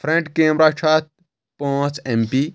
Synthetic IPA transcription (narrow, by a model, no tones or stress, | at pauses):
fʰɾẽɳʈkeːmɾaːt͡ʃʰaːt̪̚ | põːt͡sempi